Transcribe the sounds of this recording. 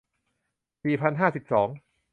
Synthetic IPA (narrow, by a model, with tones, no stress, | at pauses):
siː˨˩pʰa˧nɦaː˥˩si˨˩p̚sɔː˩˦ŋ